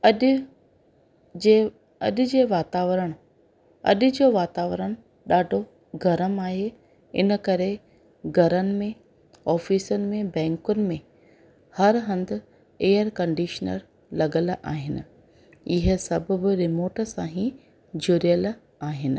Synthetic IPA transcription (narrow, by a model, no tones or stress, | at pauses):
ɐ | ɐ̰ɗʊ̆d͡ʑeːʋaːt̪aːʋɾəɽ̃ | ɐ̰ɗʊ̆d͡ʑoːʋaːt̪aːʋəɾəɽ̃̆ | ɗaːɖʱo | ɡʱɐɾəmaːɦe | ɪ̰nəkɐɾe | ɡʱɐɾənɪ̆mẽ | ɔːfiːsənɪ̆mẽbɛ̃ːŋkʊnɪ̆mẽ | hɐɾɦɐ̃nd̪ɪ̆ | eːəɾkɐ̃ɳɖiːʃnə̰ɾ | lɐɠəlʔa̰ːɦɪnɪ̆ | ɪɦə̆sɐbʱʊ̆bɪ̆ɾɪmoːʈəsãːɦĩ | d͡ʑʊːɾijəl | aːɦɪnɪ̆